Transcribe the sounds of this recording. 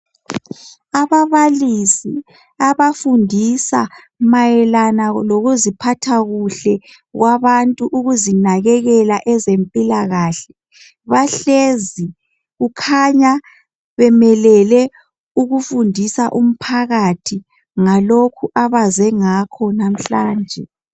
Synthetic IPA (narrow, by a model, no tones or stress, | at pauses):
aβaβalisi | aβafundʱisa | majɛlanaloɣuzipʰatʰaɣuɬɛ | ɣwaβantʼuʔuɣuzinaɣɛɣɛlaʔɛzempʼilaɣaɬɛ | βaɬezi | ɣukʰaɲa | βɛmɛlɛlɛ | uɣufundʱisaʔum̩pʰaɣatʰi | ŋalokʰuʔaβazɛŋakʰɔnam̩ɬaːnd͡ʒʱɛ